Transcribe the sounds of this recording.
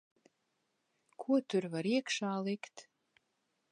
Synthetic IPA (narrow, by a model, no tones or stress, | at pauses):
kʰuɔt̪ʰʊrvaɾiɛkʃaːlɪkt̪